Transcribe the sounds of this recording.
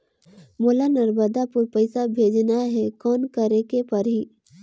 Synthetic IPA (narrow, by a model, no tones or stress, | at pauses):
moːlanɐɾbəd̪apʊɾpɐɪsabʱeːd͡ʒnaɦɛkɔːnkɐɾekepɐɾɦiː